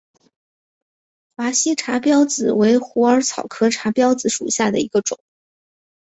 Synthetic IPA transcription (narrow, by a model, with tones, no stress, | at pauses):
fa˧˥ɕi˥ʈ͡ʂʰa˧˥pjɑ˥ʊt͡sɹ̩˨˩we˧˥ɪxu˧˥ə˞˧˥t͡sʰɑ˨˩ʊkʰɤ˥ʈ͡ʂʰa˧˥pjɑ˥ʊd͡zɹ̩˨˩ʂṵ˨˩ɕja˥˩d̪ə̰˩i˧˥ɡə˧ʈ͡ʂʊ̰˨˩˦ŋ